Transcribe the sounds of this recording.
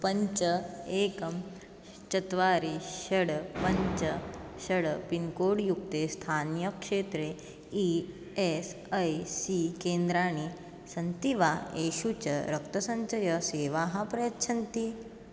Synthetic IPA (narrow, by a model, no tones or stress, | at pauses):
pɐɲt͡ʃəeːkɐm | t͡ɕɐt̪ʋaːɾiɕɐɽpɐɲt͡ʃəɕɐɽpinkoːɽjukt̪est̪ʰaːnjəkʂeːt̪ɾe | i | es | əjsikeːnd̪ɾaːɽ̃i | sɐnt̪iʋaeːɕut͡ɕɐ̰ɾɐk̚t̪ɐsɐɲt͡ʃɐjɐseːʋaɦãpɾɐjətːt͡ʃʰɐnt̪i